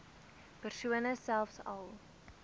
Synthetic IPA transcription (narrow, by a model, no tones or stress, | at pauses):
pərsuənəsælˠfsɐ̰lˠ